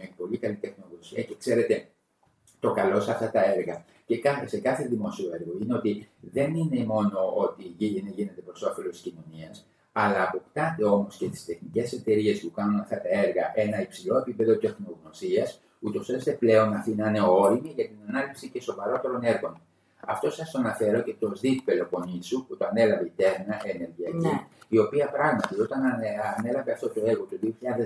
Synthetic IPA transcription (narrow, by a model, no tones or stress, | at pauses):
mepo̞likɐlit̪e̞xno̞ɣnosiɐce̞kse̞ɾe̞t̪e̞ | t̪o̞kɐlo̞sɐft̪ɐt̪ɐe̞ɾɣɐ | ce̞kɐse̞kɐθe̞ðimo̞sio̞e̞ɾɣo̞ineo̞t̪iðe̞nine̞mo̞no̞ot̪iʝineʝinend̪epɾo̞so̞fe̞lot̪iscino̞niɐs | ɐlɐːpo̞pt̪ɐnd̪e̞o̞mo̞scest̪i̥st̪e̞xnice̞se̞t̪e̞ɾie̞spukɐnunɐft̪ɐt̪ɐe̞ɾɣɐʔe̞nɐipsilo̞e̞pipe̞ðo̞t̪e̞xno̞ɣno̞siɐs | ut̪o̞seɾest̪e̞ple̞o̞nɐft̪inɐneo̞ɾimiʝɐt̪inɐnɐlipsice̞so̞vɐɾo̞t̪e̞ɾo̞ne̞ɾɣo̞n | ɐft̪o̞sɐst̪oɐnɐfe̞ɾo̞ce̞t̪o̞zðippe̞lo̞po̞nisuput̪o̞ɐne̞lɐve̞it̪e̞ɾnɐʔe̞ne̞ɾʝiɐciio̞piɐpɾɐɣmɐt̪iot̪ɐnːne̞lɐve̞ɐft̪o̞t̪o̞eɾɣo̞t̪uðioçiʎɐðe